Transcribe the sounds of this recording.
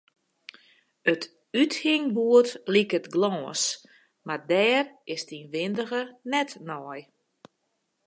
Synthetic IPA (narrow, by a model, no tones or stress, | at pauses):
ət | ythɪŋbuətlikətɡlɔːs | mardɛːrɪstinʋɪndəɣənɛtnɔj